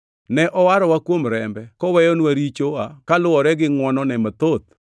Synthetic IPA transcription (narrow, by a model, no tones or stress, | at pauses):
nɛʔɔwaɾɔwakwomɾɛmbɛkɔwɛjɔnwaɾit͡ʃoakalʊwɔɾɛɡɪŋwɔnɔnɛmat̪ot̪̚